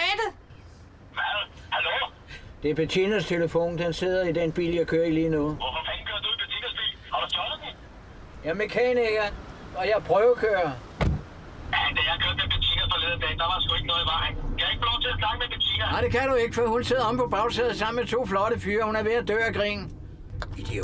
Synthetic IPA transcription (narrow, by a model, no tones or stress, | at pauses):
æd̥ə | æhælo | d̥e̝ɐb̥et͡sʰinɐst͡sʰeləfo̝̰ːnd̥ense̝ð̞̰ˠɐid̥enb̥ḭːljɑɪkʰøːɐiliːnɔð̩ˠʋɔfɔfænn̩kʰøɐd̥ub̥et͡sʰinɐsb̥ḭːl | hɑd̥ut͡sʰɔli | jæmekʰɛːniɡ̥ɐ | ɒ̽jɑ̈pʰʁœːʊkʰøːɐ | æd̥ejɑ̈ɪkʰøɐd̥meb̥et͡sʰḭnɐfɐleðˠɐd̥end̥ɑ̈ʋɑ̈dsɡ̥ueɡ̥nɔ̽ːðˠiʋɑ̈ɪŋkʰæjaeɡ̥fʰɒlɔt͡sʰe̝sʰnɑ̈ɡ̥əmeb̥et͡sʰḭnɐɑɪd̥e̝kʰæd̥ue̝ɡ̥əfɒihunse̝ð̰ˠɐɒ̽mpʰɒ̽b̥ɑ̈ʊsɛð̩ˠsɑ̈m̰nmet͡sʰo̝̰ːflɒ̽ɾəfyːɐhunæɐʋe̝æd̥ø̰ːɐɡ̥ʁḭn̩ | id̥i